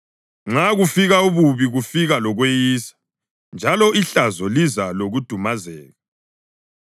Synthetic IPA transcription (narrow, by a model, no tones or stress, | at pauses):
ŋ͡ǁaɣufiɣauβuβiɣufiɣalɔɣwejiːsḁ | nd͡ʒʱalɔʔiɬazɔlizaloɣud̥ʱumazɛːɣa